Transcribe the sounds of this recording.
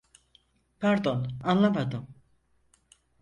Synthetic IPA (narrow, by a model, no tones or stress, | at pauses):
pʰæɾd̪o̞nanlˠamad̪ɯm